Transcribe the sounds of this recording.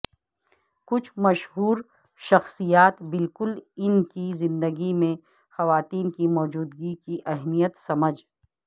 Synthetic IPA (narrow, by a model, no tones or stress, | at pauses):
kʊt͡ʃʰmɐʃɦuːɾ | ʃɐxsijaːt̪bɪlkʊlɪnkizɪ̃nd̪əɡimẽ | xɐʋaːt̪iːnkimɔːd͡ʒuːd̪ɡikiʔɛɦmijət̪sɐməd͡ʒ